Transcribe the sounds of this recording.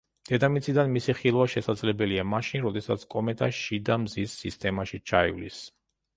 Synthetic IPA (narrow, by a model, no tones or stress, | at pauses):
d̪̥ɛd̪amit̪sʼid̪anmisiχilˠvaʃɛsad̪zlɛbɛliamaʃinɾɔd̪ɛsa̰t̪sʰkʼɔmɛt̪ʼaʃid̪amzisːist̪ʼɛmaʃit͡ʃʰaḭvlḭs